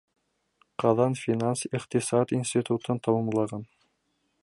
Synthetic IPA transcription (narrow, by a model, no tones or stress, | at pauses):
qɑðɑnfʲinansiqt̪isɑt̪inʲsʲt̪ʲit̪ut̪ɤnt̪ʰɑwɑmlˠɑʁɑn